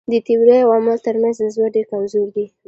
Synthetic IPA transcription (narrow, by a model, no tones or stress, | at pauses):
d̪ət̪iwɾəjawɑməlt̪əɾmanzd̪əzwaɖekamzuɾd̪i